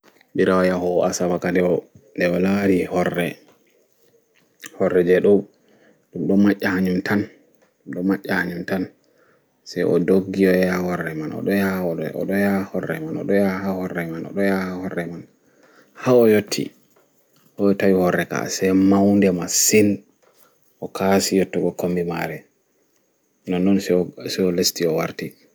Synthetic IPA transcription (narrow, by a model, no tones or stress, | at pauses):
biɾawajahɔʔasamakandɛɔ | ndɛɔlaɾihɔrːɛ | hɔrːɛd͡ʒɛɗɔ | ɗumɗɔmaʔːahaɲumtʰan | ɗɔmaʔːahaɲumtan | sɛjʔɔ̰doɡːiɔjahɔrːɛmanɔ̰ɗɔjahɔɔ̰ɗɔjahɔrːɛ̰manɔ̰ɗɔjahahɔrːɛmanɔ̰ɗɔjahahɔrːɛman | haɔjotʰːḭ | ʔɔɔtawihɔɾːɛka̰sɛmawndɛmasin | ɔkʰasijɔtːɔɡɔkombima̰ɾɛ | nɔnːɔnssɛɔlestiɔwaɾti